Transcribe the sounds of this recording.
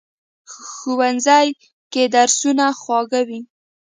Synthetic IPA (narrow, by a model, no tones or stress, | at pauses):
xuwanzaj | ked̪aɾsunaxwɑɣawi